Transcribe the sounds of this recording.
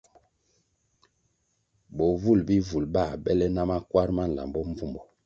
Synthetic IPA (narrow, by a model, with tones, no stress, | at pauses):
bo˨vu˦˨lbi˦vu˨lba˦˨bɛ˦lɛ˦na˦ma˦kwa˦ɾma˦n̩˨la̰˨mbɔ˦ɱ˦vu˦mbɔ˨